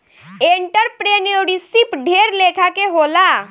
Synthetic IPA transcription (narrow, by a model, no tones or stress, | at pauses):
eɳʈəɾpɾeːneɽisipɖʱeːɾlekʰakeɦoːla